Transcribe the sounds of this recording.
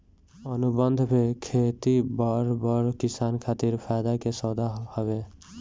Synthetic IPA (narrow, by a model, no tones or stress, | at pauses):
ənubənd̪ʱbʰekʰet̪ibəɾbəɾkisankʰat̪iɾpʰajd̪akesɔd̪ahɔbe